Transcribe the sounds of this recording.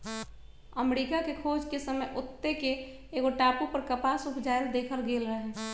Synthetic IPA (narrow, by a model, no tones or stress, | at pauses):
əmɾikakekʰod͡ʒkesəməjʔʊt̪ːekeː | ɡoʈapupəɾkəpasukʰd͡ʒaeld̪ekʰəlɡelɾəɦɛ